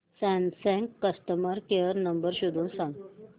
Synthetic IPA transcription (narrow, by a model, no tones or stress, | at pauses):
sɛ̃nsɛ̃ŋkːəsʈəməɾkeəɾnəmbəɾɕud̪ʱuːnsãŋɡ